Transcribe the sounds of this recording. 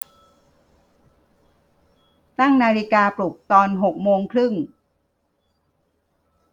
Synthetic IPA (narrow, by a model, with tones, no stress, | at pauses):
t̪a˥˩ŋnaː˧ɾi˦˧˥kaː˧plu˨˩k̚t̪ɔː˧nɦo˨˩k̚moː˧ŋkʰɾɯ˥˩ŋ